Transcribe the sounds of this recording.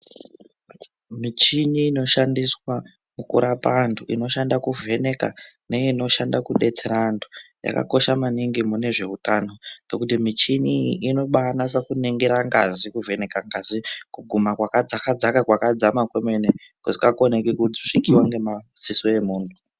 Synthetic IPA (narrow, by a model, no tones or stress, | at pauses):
mit͡ʃiniːno̞ʃandiswa | mukuɾapantʰuino̞ʃandakuvʱe̞ne̞ka̰neino̞ʃandakuɗe̞t͡seɾandoja̰ka̰ko̞ʃamaniŋɡimune̞ʐe̞utano̞nokutimit͡ʃiniːno̞ɓanas̬akuneŋɡeɾaŋɡazikuve̞ne̞kaŋɡazikuɡʱumakwakad͡zakad͡zakakwakad͡zamakwemene | kusikakonekikud͡zoʂikiwaŋɡe̞masisoe̞muːntʰu